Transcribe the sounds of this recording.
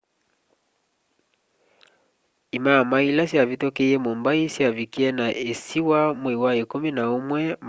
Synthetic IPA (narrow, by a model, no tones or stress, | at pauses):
imamailasiavitɔkɛjɛmɔmbaisiavikiɛnaʔesiwamwɛiwaikuminaumwɛm